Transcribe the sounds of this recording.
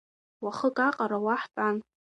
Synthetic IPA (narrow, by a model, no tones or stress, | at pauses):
waχəkʼaqʼaɾawaħpʼan